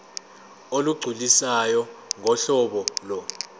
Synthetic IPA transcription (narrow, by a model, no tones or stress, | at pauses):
oluɡ͡ǀʱulisajɔŋʱɔɬɔɓɔlɔ